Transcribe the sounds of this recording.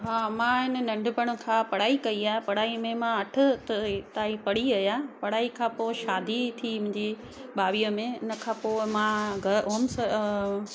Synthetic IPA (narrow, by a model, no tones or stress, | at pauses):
ɦaːmãːɪnənɐ̃ɳɖʊbəɽ̃ʊ̆kʰãːpɐɽ̤aːikɐiaːɦepɐɽ̤aːimẽmãɐʈʰʊ̆t̪ɐt̪aːipɐɽiɐjaːepɐɽ̤aːikʰãːpoːɪʃaːd̪ʱit̪ʰimʊ̃ɪ̃ɲd͡ʑi | ɓaːʋiːəmẽɪnə̆kʰãːpoːɪmãɡʱɐʔoːmsə